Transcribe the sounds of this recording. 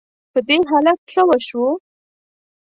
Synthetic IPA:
pəd̪eɦɑlat̪̚ɬəwaʃwo

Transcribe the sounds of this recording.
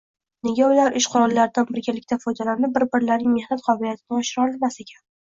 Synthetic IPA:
ne̞ɡʲaʊlaɾʔɪʃqʰʊɾɒllaɾɪd̪anbɪɾɡʲalɪk̚ʲt̪ʰafɒjd̪alanɪbɪɾbɪɾlaɾnɪŋme̞hnat̪qʰɒbɪlijat̪ʰɪnɪɒʃɪɾɒlɪlmase̞kʲʰan

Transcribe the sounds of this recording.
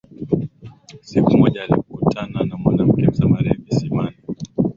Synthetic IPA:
sikumɔʄaːlḭkutʰananamwanam̩kɛsamaɾɛvisimani

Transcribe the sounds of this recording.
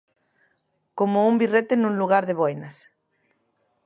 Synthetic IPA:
komoumbiret̪enũŋluɣaɾðeβoenas

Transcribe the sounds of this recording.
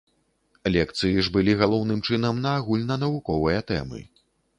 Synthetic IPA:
lʲɛkt̪sɨjiʐbɨlʲiɣalˠɔwn̪ɨmt͡ʂɨnɐmnɐːɣulʲnɐn̪ɐvukɔvɨjɐt̪ɛ̰mɨ̰

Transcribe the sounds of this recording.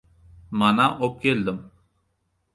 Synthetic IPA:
manaʔop̚keld̪əm

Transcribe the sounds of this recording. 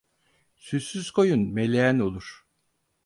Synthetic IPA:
sysyzkʰo̞junmelʲejæno̞lˠuɾ̝̥

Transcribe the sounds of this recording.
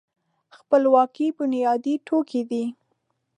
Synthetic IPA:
xpəlwɑkibənijɑd̪iʈʰokʰid̪i

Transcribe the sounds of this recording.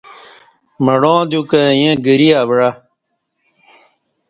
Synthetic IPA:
məɽõːd̪jukəjẽɡəɾiaːbɽa

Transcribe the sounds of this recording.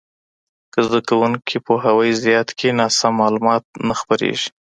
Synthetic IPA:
kəzd̪akawuŋkʰipoɦawəjzɪjɑt̪kʰenɑsamːɑlumɑt̪̚naxpaɾḛʒi̥

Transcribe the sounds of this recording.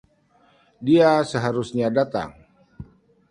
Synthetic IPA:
diasəɦaɾusɲadat̪a̰ŋ

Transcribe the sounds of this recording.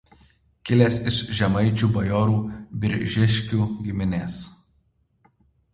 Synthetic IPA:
kʲɪlʲeːsɪʃʒʲɛmɐɪt͡ʃʲuːbɐjoːɾuːbʲɪɾʲʒʲɪʃʲkʲuːɡʲɪmʲɪnʲeːs

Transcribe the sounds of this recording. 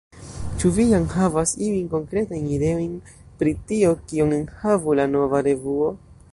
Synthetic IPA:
t͡ʃuvijaŋhavasiinko̞ŋkɾe̞tajnide̞o̞jn | pɾitio̞kioŋenhavulano̞vaɾe̞vuo̞

